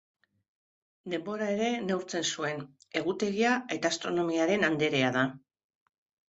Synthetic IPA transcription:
d̪e̞mbo̞ɾae̞ɾe̞newɾt͡se̞nsue̞n | e̞ɣ̞ut̪e̞ɣiae̞t̪aːst̪ɾo̞no̞miaɾe̞nand̪e̞ɾe̞að̞a

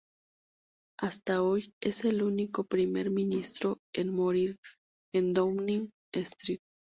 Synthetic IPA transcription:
ast̪aojeselunikopɾimeɾminist̪ɾoenmoɾiɾ | end̪omniŋ | est̪ɾit̪o̥

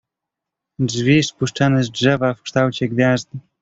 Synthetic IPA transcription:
dʐvʲispuʂt͡ʂanɛzdʐɛvafkʂt̪awt͡ɕɛɡvʲjazd̪ɘ

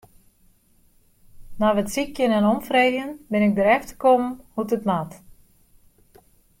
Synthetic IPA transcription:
naʋətsikjənɛnomfreːɣjənbɪnɪk̚dəɾɛxtʰə̥komhutətmat

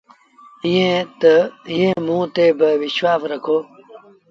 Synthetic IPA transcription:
jẽt̪jẽːmũːt̪eːbɐwiɕwaːfɾɐkʰoː

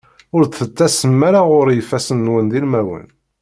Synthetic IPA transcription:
ʊɾθət͡sːæsəmːæɾaʁʊɾjəfːæsənːwənd̪ilmæwə̰n

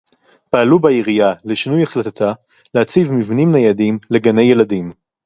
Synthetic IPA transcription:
paːlubaiʁijaleʃinujaχlat̪at̪a | leat͡sivmivnimnajadimle̞ɡane̞je̞ladim

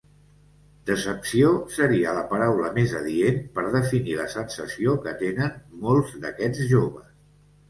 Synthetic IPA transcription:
d̪əsəpsiosəɾiələpəɾawləmezəðienpəɾð̞əfiniləsənsəsiokət̪enənmolˠzðəkɛd͡zʒoβ̞əs

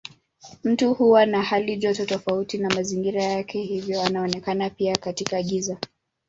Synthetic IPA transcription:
m̩tuhuwanahaliʄɔtɔtɔfautinamaziŋɡiɾajakʰɛhivjɔanaɔnɛkanapiakatikaːɠiza

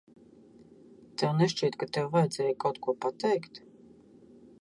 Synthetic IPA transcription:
t̪ɛwnɛʃt͡ʃiːt̪kat̪ɛwvajɛd̪zɛːjkawt̪̚kuɔpat̪ɛjkt̪

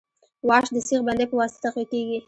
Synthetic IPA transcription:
wɑʃd̪əsiɣband̪epəwɑst̪ḁt̪aqikeɡi

